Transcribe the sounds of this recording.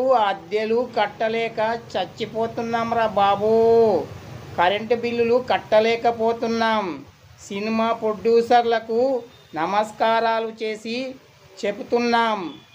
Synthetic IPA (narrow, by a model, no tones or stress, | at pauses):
uɐd̪jɐlukɐʈːɐlɛːkɐt͡ʃɐt͡ʃːipoːt̪unːaːmɾaːbaːbuː | kɐɾeɳʈbilːulukɐʈːɐlɛːkɐpoːt̪unːaːm | sinimaːpɾoɖjuːsɐɾlɐku | nɐmɐskaːɾaːlut͡ʃe̞ːsi | t͡ʃe̞but̪unːaːm